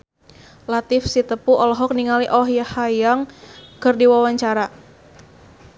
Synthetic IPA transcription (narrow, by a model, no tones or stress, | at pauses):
lat̪ɪfsit̪əpuɔlɔɦɔk̚niŋaliʔɔɦjahajaŋkərdiwawaɲt͡ʃaɾa